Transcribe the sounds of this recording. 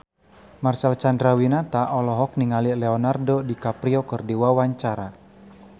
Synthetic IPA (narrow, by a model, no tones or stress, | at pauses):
marsalt͡ʃandɾawinat̪aʔɔlɔɦɔk̚niŋalilɛɔnardɔdikapɾiɔkɨrdiwawaɲt͡ʃaɾa